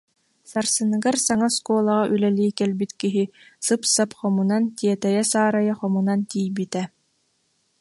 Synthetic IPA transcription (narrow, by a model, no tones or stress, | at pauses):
saɾsɯnɯɡaɾsaŋaskuɔlˠaʁaʔylɛliːkɛlbit̪kiɦisɯpsapχɔmunant̪iɛt̪ɛjɛsaːɾajaχɔmunant̪ijbit̪ɛ